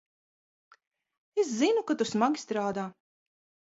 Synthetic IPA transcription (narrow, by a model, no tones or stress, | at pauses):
eszinukat̪usmaɡʲi̥st̪ɾaːd̪aː